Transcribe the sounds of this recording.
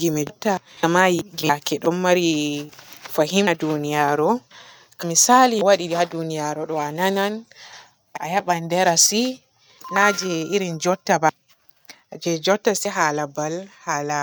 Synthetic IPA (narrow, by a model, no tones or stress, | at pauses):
ɡimɛtːaamajiɡiakɛɗɔmːaɾi | faɦimadunijaɾɔ | kamisaliwaɗiɗihadunijaɾɔɗɔananan | ʔaʔajaɓandɛɾasi | nad͡ʒɛiɾind͡ʒɔtːaba | ad͡ʒɛd͡ʒɔtːasɛɦalabalhala